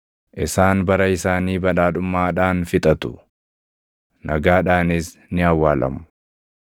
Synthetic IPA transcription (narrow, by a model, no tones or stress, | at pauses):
ʔɪsaːnbɐɾɐɪsaːniːbɐᶑaːᶑʊmːaːᶑaːnfɪt̪ʼɐt̪ʊ̥ | nʔɐɡaːᶑaːnɪs | nɪɐwːaːlɐ̰mʊ̥